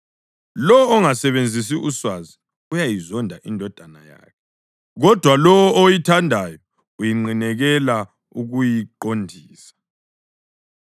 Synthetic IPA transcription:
lɔwɔːŋasɛβend͡zʱis̬iʔuswazi | ujajizɔndʱaʔindʱɔd̥ʱanaja̰ːkʰɛ | ɣɔd̥ʱwalɔwɔʔojitʰandʱajɔ | ujiŋ͡ǃinɛɣɛla | uɣujiǃondʱiːsḁ

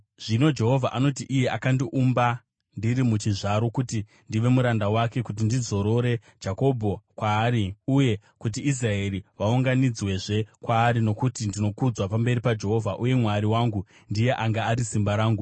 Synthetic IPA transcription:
ʐ̥ino̞d͡ʒe̞ɦo̞vʱa̰ʔano̞t̬iʔije̞ʔakandiʔumba | ndiɾimut͡ʃiʐaɾo̞kuti | ndiʋe̞muɾandawake̞kut̬indizo̞ɾo̞ɾe̞ | d͡ʒako̞bʱo̞kwaːɾiuje̞ | kut̬iis̬rae̞ɾiʋauŋɡanid͡zwe̞ʐe̞kwaːɾino̞kutindino̞kud͡zwapambe̞ɾipad͡ʒe̞ɦo̞vʱaʔuje̞mwaɾiwaːŋɡu | ndije̞ʔaŋɡaːɾisimbaɾaːŋɡu

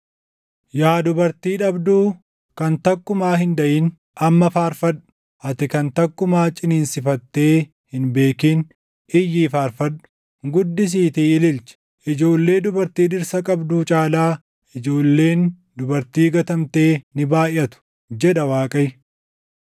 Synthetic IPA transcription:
jaːd̪ʊbɐɾt̪iːᶑɐbd̪uː | kɐnt̪ɐkːʊmaːɦɪnd̪ɐʔiːn | ʔɐmːɐfaːɾfɐᶑʊ̥ | ʔɐt̪ɪkɐnt̪ɐkːʊmaːt͡ʃʼɪniːnsɪfɐt̪ːe̞ː | hɪnbe̞ːkiːn | ʔɪjːiːfaːɾfɐɗʊ̥ | ɡʊd̪ːɪs̬iːt̪iːɪlɪlt͡ʃɛ̥ | ʔɪd͡ʒo̞ːlːe̞ːd̪ʊbɐɾt̪iːᶑɪɾsɐkʼɐbd̪uːt͡ʃʼaːlaː | ɪd͡ʒo̞ːlːe̞ːn | d̪ʊbɐɾt̪iːɡɐt̪ɐmt̪e̞ːnɪbaːjɐt̪ʊ̥ | d͡ʒɛᶑɐwaːkʼɐj

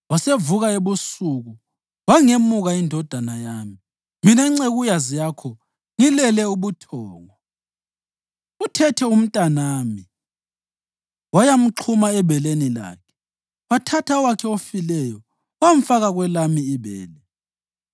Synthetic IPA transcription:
wasevuɣaeβusuɣu | waŋemuɣaindʱɔd̥ʱanajaːmi | minaiŋ͡ǀeɣujazijakʰɔ | ŋilɛlɛuβutʰɔːŋɔ | utʰɛtʰɛum̩tʼanaːmi | wajam̩ǃʰumaɛβɛlenila̰ːkʰɛ̥ | watʰatʰawakʰɛofilɛjɔ | wam̩faɣaɣwɛlamiːβɛ̰ːlɛ

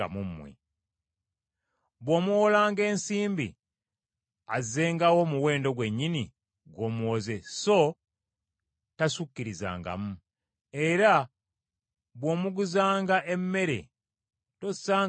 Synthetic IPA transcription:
a̰mumːwḛ | βwoːmuwolaːŋɡe̞ːnsiːmbḭ | azeːŋɡawo̞muwe̞ːndo̞ɡwe̞ɲːini | ɡo̞ːmuoze̞so̞ | tasukːiɾiza̰ːŋɡa̰mu | e̞ɾa | βwo̞ːmuɡuzaːŋɡaʔe̞mːe̞ɾe̞̰ | to̞saː

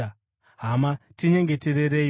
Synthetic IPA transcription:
ɦamatiɲe̞ŋɡe̞teɾeɾeː

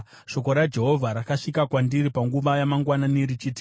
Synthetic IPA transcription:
ʃo̞ko̞ɾad͡ʒe̞ɦo̞vʱaɾakaʂikakwandiɾipaŋɡuʋajamaŋɡwananiɾit͡ʃiːti̥

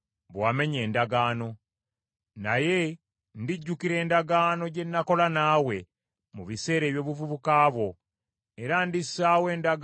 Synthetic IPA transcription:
βwaːme̞ɲe̞ːndaɡaːno̞ | naje̞ | ndiɟːukiɾe̞ːndaɡaːno̞ɟe̞nːako̞lanaːwe̞ | muβise̞ːɾe̞ːβjo̞ːβuvuβukaːβwo̞ | e̞ɾandisːaːwe̞ːndaɡ

